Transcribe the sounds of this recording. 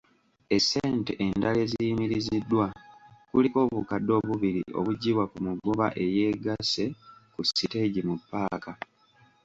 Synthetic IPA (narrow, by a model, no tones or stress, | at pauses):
e̞se̞ːnte̞ʔendale̞zijimiɾizidːwakuliko̞ːβukadːo̞ːβuβiɾḭʔo̞̰βuɟːiβwakumuɡoβa̰ʔe̞je̞ːɡase̞kusite̞ɟimupːaːka